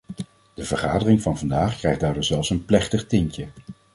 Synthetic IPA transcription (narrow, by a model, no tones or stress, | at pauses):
d̥əvəɹχaːdərɪŋvɑnvɑndaːχkrɛjχdaːɹdʊzɛlˠfsənplɛχtəχtɪŋcə